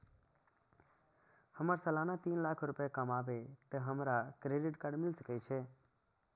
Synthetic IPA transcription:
həməɾsəlaːnat̪iːnlaːkʰɾʊpekəmaːʋet̪əɦəmɾakɾeːɖɪʈkaɖmɪlsəkɛt͡ʃʰe

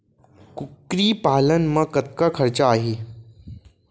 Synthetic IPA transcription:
kʊkɾiːpaːlənmɐ̃kɐt̪̚kakʰɐɾt͡ɕaːɦiː

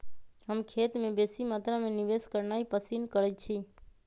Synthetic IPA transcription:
ɦəmkʰet̪mẽbesimat̪ɾamẽnibeskəɾnaipəsinkəɾɛt͡ʃʰi

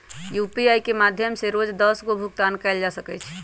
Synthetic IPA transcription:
jupiajkemad̪ʱjəmseɾod͡ʒd̪əsɡobʱuk̚t̪ankɛɪld͡ʒasəkɛt͡ʃʰ

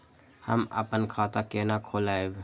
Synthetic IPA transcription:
hə̰mə̰pənkʰaːt̪akeːnakʰoːlaːeb

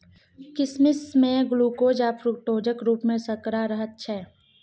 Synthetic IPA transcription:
kɪsmɪsmẽɡʊluːkoːd͡ʒaːpʰɾʊkʈoːd͡ʒəkɾuːpmẽsəkɾaɾəɦət̪̚t͡ʃʰɛː

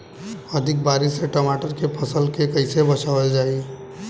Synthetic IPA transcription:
əd̪ʱɪk̚baːɾɪseʈomaːʈəɾkepʰəsəlkekəɪsebət͡ʃaʋəld͡ʒaːi

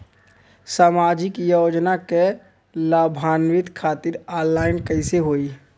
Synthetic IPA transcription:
saːmaːd͡ʒɪkjod͡ʒnake | laːbʱaːnʋɪt̪kʰaːt̪ɪɾɔlːaːɪnkəɪseɦoi

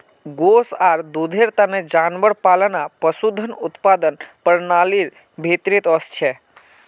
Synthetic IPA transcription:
ɡosaɾd̪ud̪ʱeɾt̪aned͡ʒanʋəɽpalənapəsud̪ʱːənut̪pad̪ənpəɾnaliɾ | bʱet̪ɾit̪ɔst͡ʃʰe

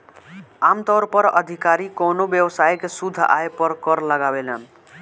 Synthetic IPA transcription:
amt̪ɔɾpʌɾʌ̰d̪ʱikaɾikonobjəwsajkesud̪ʱːaepʌɾkʌɾləɡabelən

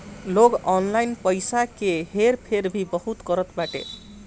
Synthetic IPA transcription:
loɡɔnlajnpʌjsakeɦeɾpʰeɾbʱibʌɦut̪kʌɾʌt̪baʈḛ

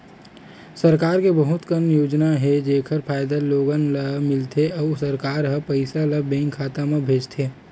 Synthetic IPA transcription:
səɾkaːɾkebɐɦʊt̪kənjoːd͡ʒnaɦɛd͡ʒeːkʰəɾpʰaːjd̪aloːɡənlamɪlt̪ʰeɔːsəɾkaːɾɦɐpɐɪsalabɛ̃ːŋkʰːaːt̪amẽbʱeːd͡ʒt̪ʰeː

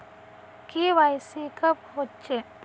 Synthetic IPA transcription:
kiʋajsikɐphot͡ʃe

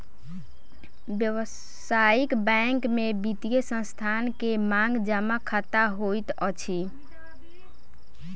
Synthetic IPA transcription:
bjəwə | aikbɛŋkmebit̪ijesə̃st̪ʰankemaŋɡd͡ʒəmakʰat̪aɦojt̪ət͡ʃʰi

